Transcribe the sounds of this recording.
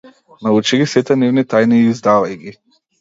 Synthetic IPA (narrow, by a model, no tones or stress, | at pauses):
naut͡ʃɛɡʲisɛt̪ɛnɛvnit̪ajniːzd̪avajɡʲi